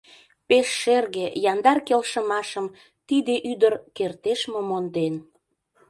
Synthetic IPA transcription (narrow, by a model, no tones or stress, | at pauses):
peʃːerɣejɑnd̪ɑrkelʃəmɑʃəm | t̪id̪eʔyd̪ərkert̪eʃmomond̪en